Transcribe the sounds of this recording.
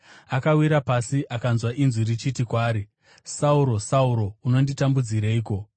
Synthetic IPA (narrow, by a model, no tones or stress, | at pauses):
akawiɾapasiʔakanzwaʔinzwiɾit͡ʃitikwaːɾi | sauɾo̞sauɾo̞uno̞nditambud͡ziɾaiːko̞